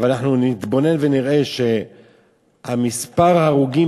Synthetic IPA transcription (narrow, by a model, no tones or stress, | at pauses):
valnaħnunit̪bo̞ne̞nveniʁʔe̞ʃe̞ | hamispaʁaːʁuɡi